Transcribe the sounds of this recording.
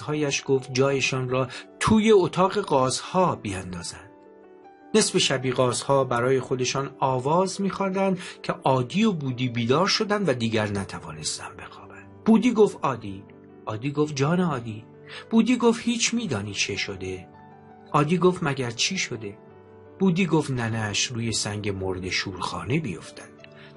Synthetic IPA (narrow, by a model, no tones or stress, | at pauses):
hɒːjæʃɡ̥oft̪̚d͡ʒɒːje̞ʃɒːnɾɒːt̪ʰuːje̞ot̪ʰɒːɣe̞ɡɒːzhɒːbiænd̪ɒːzænd̪̥ | ne̞sbe̞ʃæbiːɣɒːzhɒːbæɾɒːje̞xo̞d̪e̞ʃɒːnɒːvɒːzmiːxɒnd̪ænd̪cʲʰeʔɒːd̪iːobuːd̪iːbiːd̪ɒːɾʃo̞d̪ænd̪væd̪iːɟæɾnæt̪ʰævɒːne̞st̪æ̰mbe̞xɒːb̥ænd̪̥b̥uːd̪iːɡoft̪ɒːd̪iː | ʔɒːd̪iːɡof̚d͡ʒɒːneɒːd̪iː | b̥uːd̪iːɡofhiːt͡ʃʰmiːd̪ɒːniːt͡ʃʰe̞ʃo̞d̪e̞ | ʔɒːd̪iːɡoft̪mæɟæɾt͡ʃʰiːʃo̞d̪e̞ | b̥uːd̪iːɡoːft̪nænæʃɾuːje̞sæŋɟe̞mo̞ɾd̪e̞ʃuːɾxɒ̰ːnebijo̞̰ft̪ænd̪̥